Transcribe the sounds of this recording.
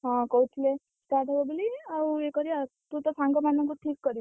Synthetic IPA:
ɦãkɔut͡ʃʰile | sʈaʈɔbɔbiliaekʌɾiat̪ut̪ɔsãŋɡɔmanɔ̃ŋkuʈʰikːʌɾi

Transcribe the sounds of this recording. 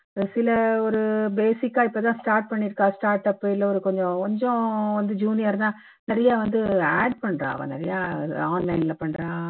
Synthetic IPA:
sɪlɐɔɾɯbeːsɪkːaːɪpːoːt̪ãːsʈaːɾʈ̚pɐɳːɪɾɯkːãːsʈaːɾʈːɐpːɪlːɐɔɾɯkɔɲd͡ʒɔ̃kɔɲd͡ʒɔ̃ʋɐnd̪ɯd͡ʒuːnɪjɐɾnaː | nɪɾɐjaːʋɐnd̪ɯaːɖpɐɳːɾã̰ːɐ̰ʋɐ̰̃ːnɪ̰ɾɐjaːaːnlɐɪnɪlɐpɐɳːɾãː

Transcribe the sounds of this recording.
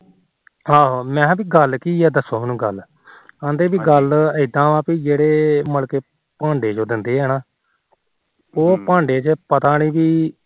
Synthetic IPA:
ɦaːɦoːmɛ̃ːbiːɡəlkiːɛːd̪əsoːmːnũːɡəl | kãːnd̪eːbiːɡələɪd̪ãːʋãːpiːd͡ʒeːɽeːməlkeː | pãːɳɖeːd͡ʒoːd̪ɪnd̪eːɦɛːnaː | oːpãːɳɖeːt͡ʃepət̪aːniːbiː

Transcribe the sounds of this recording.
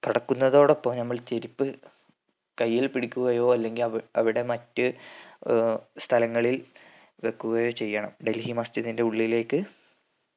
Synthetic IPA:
t̪uɽɐkːunːɐðo̞ːɽepːomnɐmːɐɭt͡ɕe̞ɾipːɨ | kɐjːilpiɽikʲːuɣɐjo̞ːɐlːe̞ŋɡilɐɐʋiɽe̞mɐtːɨ | st̪ʰɐlɐŋːɐɭil | ʋe̞kːuɣɐjo̞ːt͡ɕe̞jːɐɳɐ̰mɖe̞lhimɐst̪ɐðinde̞uɭːile̞ːkːɨ

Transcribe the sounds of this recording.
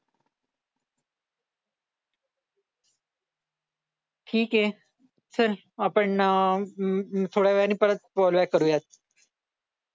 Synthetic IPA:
ʈʰiːkɦe | səɾ | apəɳ | t̪ʰoɽjaʋɭaniːpəɾət̪̚pɔlʋakːəɾujat̪̚

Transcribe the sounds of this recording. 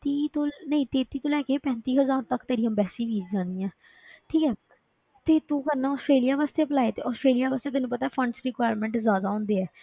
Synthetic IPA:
t̪iːt̪onəɦĩːt̪eːt̪iːt̪oːlɛːkeːpɛ̃ːnt̪iːɦəzaːɾt̪əkt̪eːɾĩjãːbɛːsiːʋiːd͡ʒd͡ʒãːnd̪iːɛ̃ː | ʈʰiːkɛː | t̪eːt̪ũːkəɾnaːɔːsʈɾeːlijaːʋaːst̪eːpəlaːet̪eːɔːsʈɾeːlijaːʋaːst̪eːt̪ɛːnũːpət̪aɛːpʰəɳɖsɾɪkʋaːɾmɛ̃ːɳʈzjaːd̪aːɔ̃ːnd̪eːɛː

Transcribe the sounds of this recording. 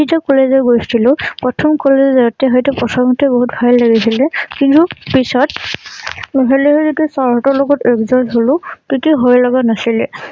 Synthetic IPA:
itɔkɔlezɔɹɡojstʰilʊ̃pɹɔtʰɔmkɔlezzaɔtɛɦɔjtɛpɔsʰɔŋtʰɛboɦutbʱajlːaɡisilɛkintupisɔt | nɔɦɛliɦɔzitusɔɹɦɔtɔɹlɔɡɔtɛkzɔɹsɦolʊtitiɦojlɔɡanasilɛ

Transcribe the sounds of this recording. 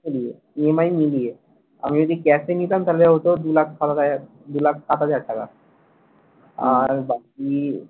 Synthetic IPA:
ilie | emajmilie | a̰mid͡ʑod̪ʱikɛsenit̪amt̪aleɦot̪od̪ulakʰkat̪aa | d̪ulak̚ʰkat̪ɦad͡ʑaʈ̚ʈːaka̰ | aɾbaki

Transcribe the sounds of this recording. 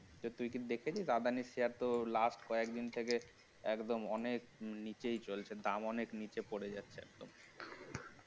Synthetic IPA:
t̪ot̪ujkid̪ekʰet͡ɕʰisad̪anisiaɾt̪olasʈkɔekd̪int̪ʰeke | ɛkd̪omɔnek̚nit͡ɕejt͡ɕolt͡ɕʰed̪amɔneknit͡ɕepoɽed͡ʑatːɕʰeɛ̰k̚d̪om

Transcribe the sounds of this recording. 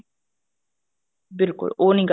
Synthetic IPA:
bɪlkʊ̰lʔoːniɡ

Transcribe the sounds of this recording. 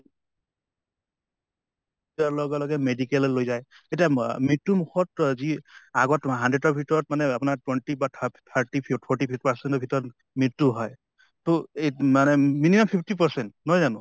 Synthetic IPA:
talɔɡɛlɔɡɛmedikɛllojzaj | etiamɹitːumukʰɔtziaɡɔtɦandɹetɔbʱitɔɹɔt̚manɛapʊnatwɛntibatʰaɹtipʰipʰɔɹʈipʰitpaɹsɛnɔbʱitɔɹɔt | mitːuɦɔj | tomanɛminimampʰipʰtipaɹsɛntnɔjzanʊ̃

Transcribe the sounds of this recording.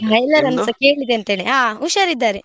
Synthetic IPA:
ɦɐjlɐɾɐnsɐkeːɭid̪eɐnt̪eːɭeaːuʃɐɾid̪ːaːɾe

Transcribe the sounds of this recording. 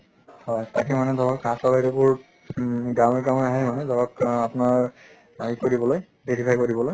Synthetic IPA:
hɔjtakɛmanɛdɔɹɔkasɔbajɾɔbʊɹ | ɡameɹkamɔjaɦɛmanɛdɔɹɔkapʊnaɹ | aikoɾibɔloj | beɹipʰajkodibɔloj

